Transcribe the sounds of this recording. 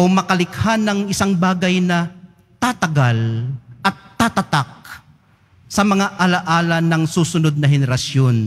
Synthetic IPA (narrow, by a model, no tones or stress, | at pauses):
ʔomɐkɐlɪkhanɐŋɪsaŋbaːɡɐjnɐ | t̪at̪ɐɡalʔɐt̪ːat̪ɐt̪ak̚ | sɐmɐŋaʔɐlɐʔaːlɐnɐŋsuːsʊnod̪̚nɐɦɛnɛɾɐsjon